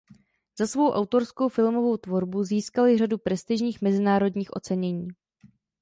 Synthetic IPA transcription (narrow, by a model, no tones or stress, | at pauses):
z̥asvo̞wʔawt̪o̞ɾskowfɪlmo̞vo̞wt̪vo̞ɾbuziːskalɪradupɾɛst̪ɪʒɲiːxmɛzɪnaːɾo̞dɲiːxʔo̞̰t͡sɛɲɛɲiː